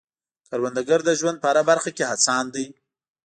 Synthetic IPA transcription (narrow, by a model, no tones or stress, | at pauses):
kaɾwand̪aɡəɾd̪əʒwand̪̚pəaɾabaɾxakehat͡sɑnd̪əj